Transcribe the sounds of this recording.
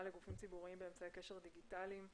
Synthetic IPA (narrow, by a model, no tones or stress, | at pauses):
aleɡufimt͡sibuʁiimbeemt͡sajeke̞ʃe̞ʁd̪iɡit̪alim